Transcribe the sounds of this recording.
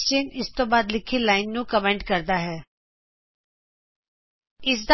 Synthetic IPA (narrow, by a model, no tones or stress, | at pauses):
t͡ʃɪnɪst̪õbaːd̪lɪkʰilaːɪnːũkəmẽːɳʈkɐɾd̪aɦɛː | ɪs̬d̪